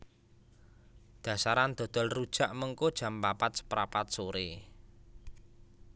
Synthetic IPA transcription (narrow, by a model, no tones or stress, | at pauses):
d̪̥ä̤saɾand̪̥ɔ̤d̪̥ɔ̤lrud̥ʒ̥a̤ʔməŋkod̥ʒ̥a̤mpapat̪̚sə̥pɾapat̪̚soɾe